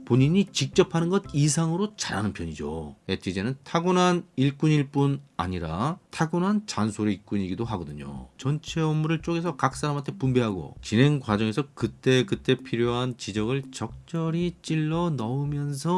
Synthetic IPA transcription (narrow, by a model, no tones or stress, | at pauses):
poɲiɲit͡ɕik̚t͡ɕ͈ʌpʰanɯnɡʌd̚isʰaŋɯɾot͡ɕaɾa̰nɯnpʰjʌɲid͡ʑo̰etʰid͡ʑenɯntʰaɡunaniɭk͈uɲiɭp͈una̰ɲiɾatʰaɡunɦant͡ɕansʰoɾiik͈uɲiɡidoɦaɡʌdɯɲo̰t͡ɕʌnt͡ɕʰe̞ʌmmːuɾɯɭt͡ɕ͈oɡe̞sʰʌkak̚s͈aɾamɦantʰepumbe̞ɦaɡo̰t͡ɕinɦe̞ŋɡwad͡ʑʌŋe̞sʰʌkɯt͈e̞kɯt͈e̞pʰiɾjoɦant͡ɕid͡ʑʌɡɯɭt͡ɕʌk̚t͡ɕ͈ʌɾit͡ɕ͈iɭːʌnʌumjʌnsʰʌ